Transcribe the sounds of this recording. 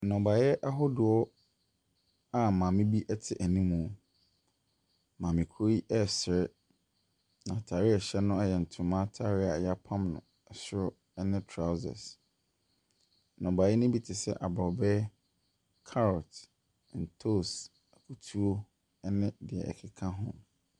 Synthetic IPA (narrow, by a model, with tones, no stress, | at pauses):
nɔ̃˨ba˨jɛ˦ʔa˦ɦɔ˦dʊ˨ɔ˦ | a˨mã˨mɪ̃˦bi˦ʔɛ˦tʰɪ˨ʔæ˨nĩ˦mũ˨ | mã˨mɪ̃˨kʰo˦ɾi˦ʔɛ˦˨sɪ˨ɾɪ˦ | nã˨tʰa˨ɾɪ˦a˨ɕɛ˦nʊ̃˦ɛ˦jɛ˨n̩˨tʰʊ̃˨˦mã˦tʰa˦ɾɪ˦a˨jɛ˦a˦pʰã˦mnʊ̰̃˨ | ɛ˨sʊ˦ɔ˦ | ɛ˦nɪ̃˦tʰɾa˦ʊ˦zɛ̰˨s | nʊ̃˨ba˨ji˦nʊ̃˦bi˦tʰɪ˨sɛ˦ʔa˨bɔ˨bɛ˦ | kʰa˦ɾɔ˨t | n̩˨tʰo˦˨s | ɛ˨kʰu˨tʰu˦o˦ | ɛ˦nɪ̃˦dɪ˨ɛ̰˨ɛ̰˨kʰɪ˨kʰã˦ɦʊ̰̃˦